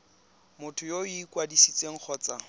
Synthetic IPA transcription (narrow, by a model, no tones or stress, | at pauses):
mʊtʰʊjoikwadisit͡sʼeŋ̩k͡xʰɔːt͡sa